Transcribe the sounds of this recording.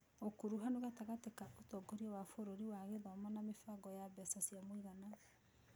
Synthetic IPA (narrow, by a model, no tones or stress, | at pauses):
okuɾuɦanoɣataɣatekaʔotɔɡoɾiɔwafoɾoɾiwaɣeðɔmanamefaɡɔjabɛsasiamwiɣana